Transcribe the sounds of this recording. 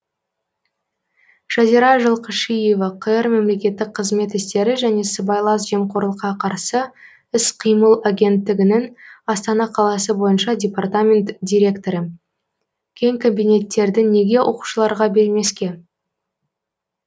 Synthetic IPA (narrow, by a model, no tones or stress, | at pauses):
ʒ̥ɑziɾɑʒəlˠqəʃije̞vɑqʰəjəɾme̞mle̞kʲe̞t̪ːɪk̚qʰəzme̞t̪ɪst̪e̞ɾɪʒæne̞səbɑjlˠɑs̬ʒe̞mqʰoɾlˠəqːɑqʰɑɾsə | ɪsqʰijməlˠaɡʲe̞nt̪ːɪɡʲɪnɪŋɑst̪ɑnɑqʰɑlˠɑsəbo̞jənʃɑdʲepart̪amʲe̞nt̪dʲiɾʲe̞kt̪o̞ɾə | kʲʰe̞ŋkʰombʲijne̞t̪ːe̞ɾd̪ɪne̞ɡʲe̞wʔo̞̰qu̥ʃəlˠɑɾʁɑbe̞ɾme̞skʲe̞